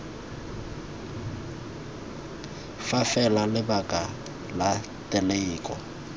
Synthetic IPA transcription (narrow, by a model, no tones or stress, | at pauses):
fafɛlalɪbakʼa | la | tʼɪleːkʼɔ